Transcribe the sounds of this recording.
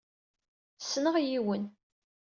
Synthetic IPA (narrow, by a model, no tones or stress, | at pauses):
sːnəʁjiwən